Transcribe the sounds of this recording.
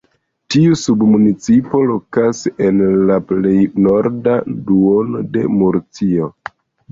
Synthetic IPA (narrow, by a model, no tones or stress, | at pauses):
tiusubmunit͡sipo̞lo̞kase̞nlaple̞jno̞ɾdaduonode̞muɾt͡sio̞